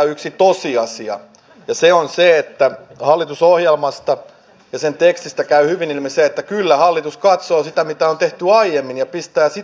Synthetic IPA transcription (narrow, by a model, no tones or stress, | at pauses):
yksit̪osiɑsiɑ̰ | jɑseonseet̪ːæhɑlːit̪usohjelmɑst̪ɑ | jɑsent̪ekst̪ist̪ækæyhyʋinilmiseet̪ːækylːæhɑlːit̪uskɑt̪soːsit̪æmit̪æont̪eht̪yɑijemːinjɑpist̪æːsi